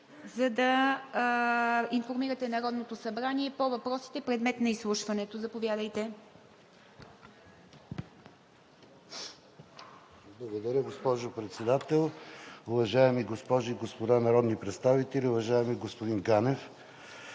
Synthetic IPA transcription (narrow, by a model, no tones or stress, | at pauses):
zɐd̪ɐ | infoɾmiɾɐt̪ɛnɐɾɔd̪not̪osɐbɾaniɛpovɐpɾɔsi̥t̪ɛpɾɛd̪mɛt̪nɐislˠuʃvɐnɛt̪ozɐpovʲjad̪əjt̪ɛ | blˠɐɡod̪ɐɾʲəɡospɔʒopɾɛt̪sɛd̪at̪ɛlˠʊvɐʒaɛmiɡospɔʒiɡospod̪anɐɾɔd̪nipɾɛt̪st̪avit̪ɛlʲiʊvɐʒaɛmiɡospod̪inɡanɛf